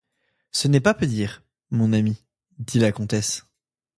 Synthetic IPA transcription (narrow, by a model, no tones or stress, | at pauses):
sənɛpapød̪iʁ | mɔ̃nami | d̪ilakɔ̃t̪ɛs